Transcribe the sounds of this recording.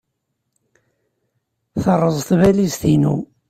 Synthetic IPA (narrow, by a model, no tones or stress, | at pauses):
θərˤːəzˤθvælist̪inṵ